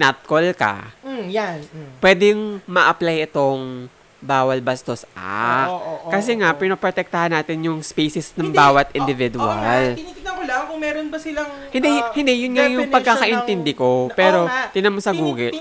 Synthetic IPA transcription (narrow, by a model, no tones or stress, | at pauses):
nat̪̚kolkɐ̰janpwɛːd̪ɛjʊŋmɐʔɐplajɪt̪o̞ŋ | baːwɐlbɐst̪o̞sa̰ | kɐs̬ɛŋaʔpɪnɐpɾot̪ɛk̚t̪ɐhɐnːaːt̪ɪnjʊŋspɛjsɪsnɐŋbaːwɐt̪ɪnd̪ɪvɪd̪ʊalɐpɐlɐkʊŋmɛːɾonbɐsɪlɐŋhɪnd̪ɛhɪnd̪ɛjʊnŋajʊŋpɐɡ̚kːakɐʔɪnt̪ɛnd̪ɪko̞pɛːɾo̞t̪ɪnɐmosɐɡuːɡɛʔ